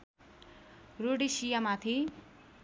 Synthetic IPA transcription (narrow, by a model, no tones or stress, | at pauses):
roɽisijamat̪ʰi